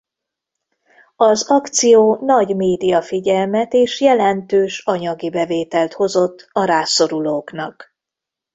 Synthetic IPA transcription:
ɒzɒkt̪sijoːnɒɟmeːd̪ijɒfiɟɛlmɛt̪eːʃjɛlɛnt̪øːʃɒɲɒɡibɛveːt̪ɛlt̪ho̞zo̞t̪ːɒɾaːso̞ɾuloːknɒk

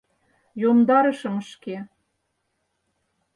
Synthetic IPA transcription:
jomd̪ɑɾə̆ʃə̆mə̆ʃke

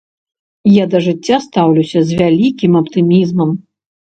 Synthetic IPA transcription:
jad̪ɐʐɨt͡sʲːast̪awlʲuwsʲɐzʲvʲalʲikʲimɐpt̪ɨmʲizmɐm

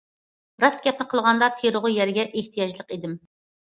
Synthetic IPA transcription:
b̥ɾɑsɡʲɛp̚nɪqʰəlˠʁɑnd̪ɑt̪ʰeɾʊʁʊjɛɾɡʲɛʔeht̪ʰijɑd͡ʒlˠəqid̪ɪm

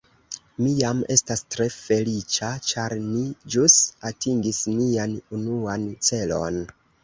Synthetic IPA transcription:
mijame̞stastɾe̞fe̞lit͡ʃat͡ʃaɾmid͡ʒusatiŋɡisnianunuant͡se̞lo̞̰n

